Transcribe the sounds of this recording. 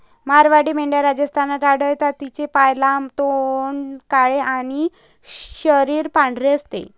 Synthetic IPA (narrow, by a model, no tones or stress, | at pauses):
maɾʋaɽiːmeɳɖjaɾad͡ʑəst̪ʰanat̪aɽ̤əjt̪at̪ːit͡ɕepajlamt̪oɳkaɭeʔaɽ̃i | ɕəɾiːɾpãɳɖɾeəst̪ḛ